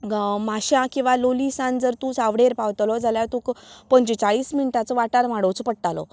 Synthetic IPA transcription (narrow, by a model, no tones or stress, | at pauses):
maɕãkĩw̃ʋalolisãnd͡zəɾt̪ũsaʋɽeɾpaʋt̪lɔd͡zʱaljat̪ũːkpəɲt͡ɕit͡saɭiːsminiʈat͡sɔʋaʈaɾm̤aɽot͡spəɽʈ̪alɔ̰